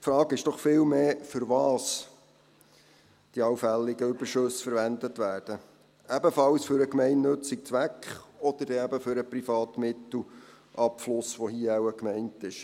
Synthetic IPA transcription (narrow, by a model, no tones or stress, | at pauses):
fɾɑːɡɪʃd̥ɔχfɪːlmeːfʏɾʋɑːs | d̥iɑwfælːiɡəʏbəɾʃɵsfəɾʋændətʋæːɾd̥ə | æbəfɑwsfʏɾəkmɛɪnːɵt͡sik̚t͡sʋækχɔd̪əɾd̥ɛæbəfʏɾəprifɑːt̪mɪtl̩ | ʔɑpflʊsʋoɦiəæwəkmɛɪntɪʃ